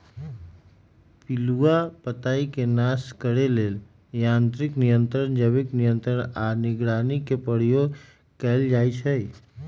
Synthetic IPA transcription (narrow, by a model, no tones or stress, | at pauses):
pɪluapət̪aːikenaskəɽeleːl | jãːnt̪ɾɪknɪjə̃nt̪ɾənd͡ʒəbɪknɪjə̃nt̪ɾənanɪɡɽaːnikepəɽjoɡ | kɛːld͡ʒaːit͡ʃʰə